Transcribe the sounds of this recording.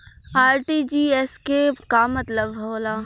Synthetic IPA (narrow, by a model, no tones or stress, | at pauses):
aːɾʈid͡ʒiːɛskekamɐt̪ləbɦoːlaː